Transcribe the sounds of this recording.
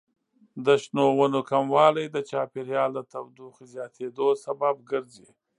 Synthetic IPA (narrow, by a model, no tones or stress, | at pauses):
d̪əʃnowənokamwɑlajd̪ət͡ʃɑpɪɾjɑld̪ət̪awd̪uxizjɑt̪ʰed̪osababɡəɾzi